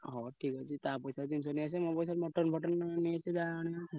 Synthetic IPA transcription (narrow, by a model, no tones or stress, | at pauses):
ɦɔʈʰikɔt͡ʃʰit̪apɔjsaɾd͡ʒ̪insɔniasɛmɔpɔjs̬aɾmɔʈɔɾnbʱɔʈɔnniasʰidaɽ̃ia